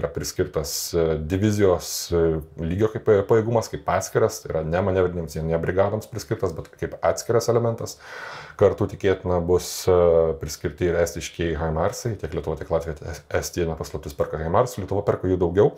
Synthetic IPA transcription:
iɾɐpʲɾʲɪsʲkʲɪɾt̪ɐsd̪ʲɪʋʲɪzʲɪjoːs | lʲiːɡʲoːkɐɪppɐjeːɡʊmɐskɐɪpɑːt̪ʲsʲkʲɪɾɐst̪ɐɪiɾɐnʲæːmɐnʲæʋʲɛdʲɪnʲɪmsjiɛnnʲɛbʲɾʲɪɡɑːd̪oːmspʲɾʲɪsʲkʲɪɾt̪ɐsbʲɛt̪kɐɪpɑːt̪ʲsʲkʲɪɾɐsɛlʲɛmʲɛnt̪ɐskɐɾt̪uːt̪ʲɪkʲeːt̪ʲɪnɐbʊspʲɾʲɪsʲkʲɪɾʲt̪ʲɪɪɾæːsʲt̪ʲɪʃʲkʲeɛɪɦɐɪmɑrsɐɪt̪ʲiɛklʲiɛt̪ʊʋoːt̪ʲiɛklˠɑːt̪ʋʲijɛt̪ʲɛsʲt̪ʲiɛnʲɐpɐslˠɐp̚ʲt̪ʲɪspʲɛrɾkɐɣɐɪmɑrsʊlʲiɛt̪ʊʋɐpʲɛrkoːjuːd̪ɐʊɡʲɛʊ

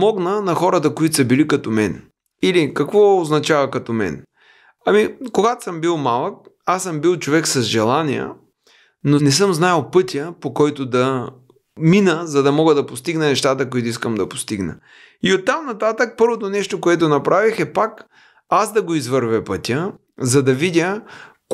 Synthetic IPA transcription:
pmɔɡnənɐxɔɾət̪̬əkoit̪o̥səbilikɐt̪omɛn | ilikɐkvɔoznɐt͡ʃavɐkɐt̪ɔmɛ̰n | ɐmikoɡat̪o̥səmbilˠmalˠək̚asːəmbilˠt͡ʃovɛksɐzʒɛlˠaniə̰ | nonɛs̬ɤmznajəlˠpɤt̪ʲəpokɔjt̪ʊd̪ɐ | minəzɐd̪ɐmɔɡəd̪ɐpost̪iɡnənɛʃt̪at̪əkʊit̪oʊiskəmd̪ɐpo̥st̪iɡnə̰ | iot̪ːamnɐt̪at̪ək̚pɤɾvot̪onɛʃt̪okoɛt̪ʊnɐpɾavixɛpak | asd̪ɐɡoizvɤɾvɛpɤt̪ʲə | zɐd̪ɐvidʲə

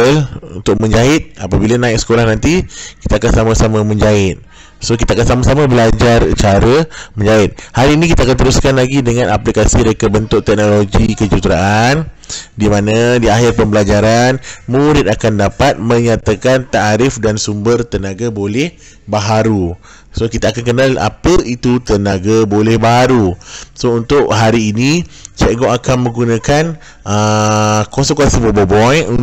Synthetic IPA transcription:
əlunt̪ʊk̚mə̃ɲd͡ʒaɪt̪̚apabilanãɪk̚sə̥kolahnãnt̪iki̥t̪aakansamãsamamə̃ɲd͡ʒaɪt̪̚ | sok̬it̪aːkansamasamabəlad͡ʒart͡ʃaɾəmə̃ɲd͡ʒaɪt̪̚halinĩkit̪aːkant̪əɾuskanlaɡidəŋãnʔaplikasiməɾekabənt̪ʊʔ̚t̪ɛk̚noloɡikəd͡ʒut̪ɾaʔan | dimãnãdiaɦɪrpəmbəlad͡ʒaɾanmuɾɪt̪̚akandapat̪̚mə̃ɲat̪akant̪aɾɪfdansumbərt̪ənaɡabolɛh | baɦaɾu | sokit̪aːkankənãla̰pəit̪ut̪ənaɡabolɛhbaɦaɾusount̪ʊʔɦaɾiːnĩt͡ʃɛʔɡɔʔakanmə̃ŋɡunãkan | əkosɔŋkasəbobɔbɔju

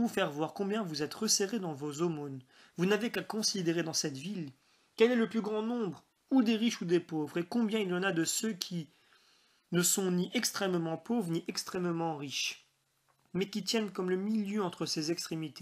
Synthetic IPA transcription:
ufɛʁvwaʁkɔ̃bjɛ̃vuzɛt̪ʁəseʁed̪ɑ̃vozomon | vunavekakɔ̃sid̪eʁed̪ɑ̃sɛt̪vil | kɛlɛləplyɡʁɑ̃nɔ̃bʁ | ud̪eʁiʃud̪epovʁekɔ̃bjɛ̃iljɑ̃nad̪əsøkʲʰi | nəsɔ̃niʔɛkst̪χɛmmɑ̃povʁniʔɛkst̪χɛmmɑ̃ʁiʃ | mɛkʲit̪jɛnkɔmləmiljøɑ̃t̪χəsezɛkst̪χemit̪e̥

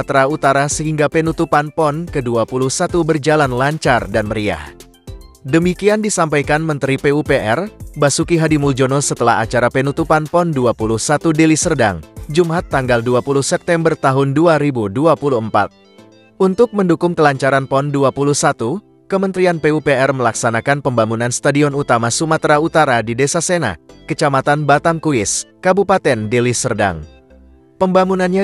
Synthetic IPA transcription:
t̪ɾaut̪aɾasəɦiŋɡapenut̪upanpɔnkəduapuluhsat̪ubərd͡ʒalanlaɲt͡ʃardanməɾia̰h | dəmikiandisampajkanmənt̪ɾipeupeʔɛrbasukiɦadimuld͡ʒonɔsət̪əla̰ɦa̰t͡ʃaɾapenut̪upanpɔnduapuluhsat̪udelisərda̰ŋd͡ʒumat̪ːaŋɡalduapuluhsɛp̚t̪ɛmbərt̪aɦʊnduaɾibuduapuluəmpa̰t̪̚ | ʔunt̪ʊk̚məndukʊŋk̪əlaɲt͡ʃaɾanpɔnduapuluhsat̪u | kəmənt̪ɾianpeupeɛrməlaksanakanpəmbamunanst̪adiɔnut̪amasumat̪ɾaut̪aɾadidesasena̰kət͡ʃamat̪anbat̪amkuɪskabupat̪ɛndilisərda̰ŋ | pəmbamunanɲa

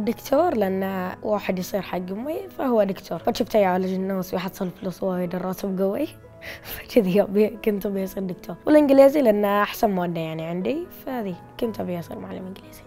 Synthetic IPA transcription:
d̪ɪkt̪ʰoːɾˤlɪʔanːawʔaːħɪd̪jsˤiːɾħaɡːʊmmifahʊwːad̪ɪkt̪ʰoːɾˤfat̪ʃuːft̪ajʕaːlɪd͡ʒɪnːaːswjħɑd̪sˤːɑlfluːsˤwaːjd̪ɑrˤːɑt̪ʊbɡʊwi | fḁt͡ʃɪðijabkʊnt̪bjɑsˤiɾd̪ɪkt̪ʰoːɾˤwɪlʔɪnɡɪliːzilɪʔanːaʔaħsanmaːd̪ːajaʕniʕɪnd̪ifahaːði | kʊnt̪abjsˤḭːɾmaʕalːɪ̰mʔɪnɡɪliːz̥i̥

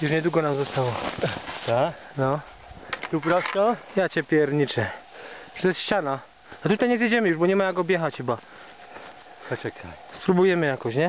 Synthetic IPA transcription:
juʂɲɛd̪wuɡɔnamzɔst̪awɔt̪anɔ | t̪upɾɔsɔjat͡ɕɛpʲjɛɾɲit͡ʂɛ | ʐɛt̪jɛst̪ɕt͡ɕana | at̪ut̪ajɲɛzjɛd͡ʑɛmɘjuʐbɔɲɛmajaɡɔbʲjɛxat͡ɕxɘba | ɔɛkaspɾubujɛmɘjakɔɕɲɛ

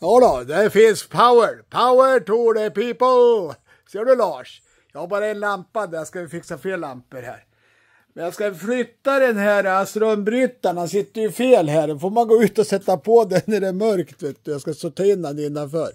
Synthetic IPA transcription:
jɑːd̪ɑd̪ɛfɪnspʰaʊəɾpʰaʊəʈʰuːɖɛpiːpəl | seːɖɵlɑːʂ | jɑɡabɑːɾaɛnlampːad̪jɑskajɪfɪksafeːllːampːəɾhæ̰ːɾ | mɛnjɑːɡskaflʏt̪ːad̪ɛnhæɾast̪ɾɔmbɾyt̪ːaɳasɪt̪ːəɾjɵfeːlɦæːɖɔfoːɾmanɡoːʉ̟ːt̪ɔsɛt̪ːapʰɔd̪ɛnæɖɛmœɾkt̪veːt̪ɔjɑːskast̪oːt̪ʰːaɪnːanɪnːanfœːɾ

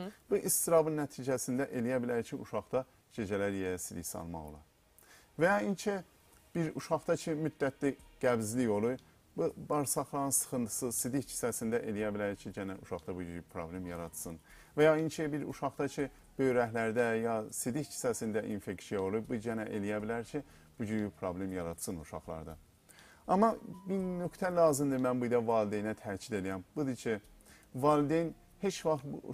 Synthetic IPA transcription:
b̥uʔist̪iɾɑbɯnːæt̪ʰiːd͡ʒæsind̪æʔe̞lijæbilæɾcʰiuʃɑχd̪ɑ | d͡ʒe̞d͡ʒælæɾjejæsid̪içsɑ̰lˠmɑ̰ɣo̰lˠɑ̰ | væjɑint͡ʃʰɛ | b̥iɾuʃɑχd̪ɑt͡ʃʰimyd̪ːæt̪ʰliɡ̥æbzlijo̞lˠu | bubɑɾsɑχlˠɑɯnsɯ̥xɯnt̪ʰɯ̥sɯsid̪içcʰi̥sæsind̪æʔelijæbilæɾt͡ʃʰiɟænænuʃɑχd̪ɑbud͡ʒyɾipʰɾo̞blemjɑɾɑt̪sɯn | væjɑint͡ʃʰibiɾṵʃɑχd̪ɑcʰi | b̥øjɾæɦlæɾd̪æjɑsid̪it͡ʃʰi̥sæsind̪æʔḭnfeksijɑolˠuɾbud͡ʒænæʔelijæbilæɾcʰi | b̥ud͡ʒyɾipʰɾoblemjɑɾɑd̪sɯnuʃɑ̰χlˠɑ̰ɾd̪ɑ̰ | ɑmɑbiɾnøkt̪ʰælɑːzimd̪imænbujd̪ɑvɑːlid̪ejinæt̪ʰæːt͡ʃʰid̪e̞lijæmb̥ud̪it͡ʃʰi | vɑːld̪en | he̞t͡ʃvɑχt̪bṵ

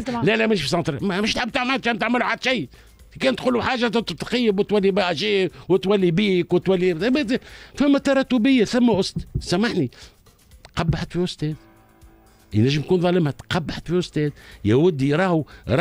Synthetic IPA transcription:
lælæmæʃfis̬ˤɑnt̪ɾmmɪʃt̪ħɪbːt̪aʕmælt̪kænt̪aʕmɪluħad̪ʃij | kɛːnt̪̚quːlːuħaːʒat̪t̪qɑjːɪbwt̪wælːibaʔæʃiːwɪt̪wælːibiːkwt̪wælːib̪fæmːæt̪ɑɾˤɑt̪ːʊbɪjːaθæmːæʔʊst̪sæmaħni | t̪qɑbːaħat̪fiʔʊst̪ɛːd̪ | jnæʒːəmjkuːnðˤɑːləmhæt̪qɑbːaħat̪fiʔʊst̪ɛːd̪jæwʊd̪ːiɾˤɑːhuɾˤ

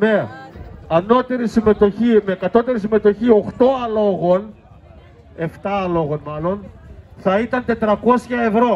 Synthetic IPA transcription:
me̞ | ɐno̞t̪e̞ɾisime̞t̪o̞çimekɐt̪o̞t̪e̞ɾisime̞t̪o̞çio̞xt̪o̞ɐlo̞ɣo̞n | e̞ft̪ɐɐlo̞ɣo̞nmɐlo̞nθɐit̪ɐnt̪e̞t̪ɾɐko̞sçɐe̞vɾo̞

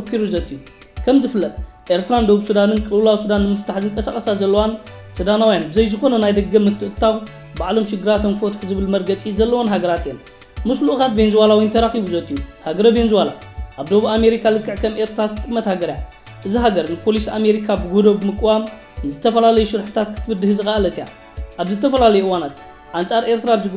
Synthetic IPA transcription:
ɐkʰːiɾuzɐt̪ʼːiju | kʰɐmzɨfɨlːɐt̪ʼ | ʔe̞ɾt̪ʰɾand̪o̞βuβsud̪anɨnkʼɨlɨwɨlawsud̪anːɨmɨft̪ʰaħzɨŋkʼɐsaxʼɐsazɐlːɐwan | sɨd̪anawjanbɨzɐjzɨxo̞nɐnajd̪ɐɡːɐmɨt̪ʰːɨʔɨt̪ʰːaβ | baʕlo̞mʃɪɡːɨɾat̪ɐnkʰfot̪ʼħuzɨβɨlmɐɾɡɐt͡sʼizɐlːɐwonɦaɡɐɾat̪jen | mɨsluʔɨkat̪venzwalawint̪ʰɐɾaxiβuzɐt̪ʼijuhaɡɐɾɐvenzɨwalaʔaβd̪o̞βame̞ɾikʰalɨkːɨʕkʰɐmʔe̞ɾt̪ʰɾat̪ʰːɨɨmːɐt̪haɡɐɾja | ʔɨziɦaɡɐɾnɨpʰo̞lisame̞ɾikʰabɨɡod̪obɨmɨkʼːɨwam | zɨt̪ʰːɐfɐlalɐjuʃɨɾħɨ̥t̪ʰat̪kʰɨ̥t̪ʰɨβɨd̪ːɨhɨzɨxaʔlɐt̪ija̰ | ʔaβzɨt̪ʰɐfɐlalɐjuʔɨwanat̪ | ʔant͡sʼaɾʔe̞ɾt̪ʰɾaβzɨɡ

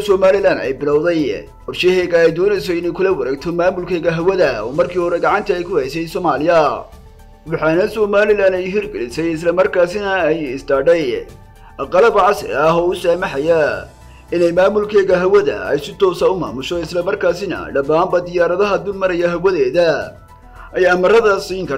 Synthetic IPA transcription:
sɔmaːlɪlaːnɛ̰jbɪlɐwðɛj | wɐʃɛɦɛːɣɐɛjd̪ɔːnɛjs̬ɔɪnɛjkʰʊlɐwɐɾɛːɡt̪ʰɔmaːmʊlkʰɛːɣɐɦɐwɐðɐɔ̰ːmɐrkʰiːhɔɾɛɡɑʕɑnt̪ʰɐɛjkʰʊhɛjsɛjsɔmaːlɪjɐ | wɑħɑːnɐsɔːmaːlɪlaːnɛjɦɪrɡɛlɪsɛjɪslɐmɐrkʰaːsɪnɐɛjɪsd̪aːɖɛj | ʔɐqɑlɐbʕɑsɪ̰ɾɐɦɔːʊsaːmɑħɑjɐ | ɪnɛjmaːmʊlkʰɛːɣɐɦɐwɐðɐ̰ɛ̰jsɪt̪ʰɔːsɐʊma̰ːmʊʃɔɪslɐmɐrkʰaːsɪnɐ̰ɖɐbaːmbɐd̪ɪjaːɾɐðɐɦɐd̪ʊlmɐɾɐjɐɦɐwɐðɛːðɐ | ʔɛjɐmɐrɐðɐsiːŋkʰɐ

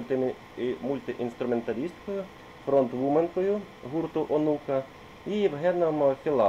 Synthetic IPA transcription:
t̪ | mulʲt̪ʲiʔḭnst̪ɾʊment̪ɐɾʲist̪kɔjʊ | fɾɔnt̪ʋumenkɔjʊ | ɦurt̪ʊʔɔnukɐ | iʋɦɛnɐmxʲɪlˠɑ

